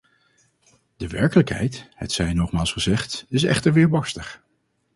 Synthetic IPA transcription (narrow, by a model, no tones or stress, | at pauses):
dəʋɛɹkələkɦɛ̰jthɛ̰tsɛjnɔχmaːlˠsχəzɛχtɪsɛ̰χtəɹʋɪːɹbɑɹstəχ